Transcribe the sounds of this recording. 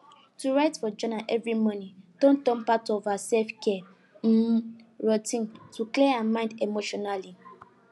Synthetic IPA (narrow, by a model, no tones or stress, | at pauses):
tuɹatfɔd͡ʒɔ̃naʔɛvɹimɔ̃nĩd̥õn̩tɔ̃mpatɔvasɛfkɛ | m̩ɹɔtĩntukleamãɪ̃ndemoʃɔnali